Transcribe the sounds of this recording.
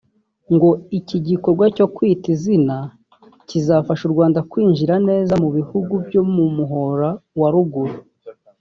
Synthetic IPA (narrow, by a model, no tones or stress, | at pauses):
ŋɡo̞iciɟiko̞ɾɡwaco̞kwiːtizina | cizafaʃuɾɡwaːndakwiːɲʒiɾane̞ːzamuβihuɡubjo̞mumuɦo̞ɾawaɾuɡuɾu